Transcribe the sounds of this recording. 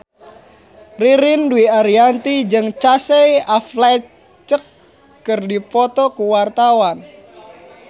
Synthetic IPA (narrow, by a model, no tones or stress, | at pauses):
riɾɪnduiaɾiant̪id͡ʒɨŋt͡ʃasɛjafla | t͡ʃəkː | ɨrdipɔt̪ɔkuwart̪awan